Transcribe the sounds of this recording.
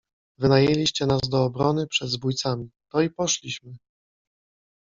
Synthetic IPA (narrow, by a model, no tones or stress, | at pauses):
vɘnajelʲiɕt͡ɕɛnazd̪ɔːbɾɔnɘpʂɛd̪zbujt̪samʲit̪ɔipɔʂlʲiɕmɘ